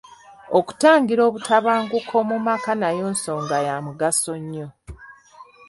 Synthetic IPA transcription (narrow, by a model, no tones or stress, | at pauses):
oku̥taːŋɡiɾo̞ːβutʰaβaːŋɡukʰo̞mumakanajo̞ːnso̞ːŋɡajamuɡaso̞ɲːo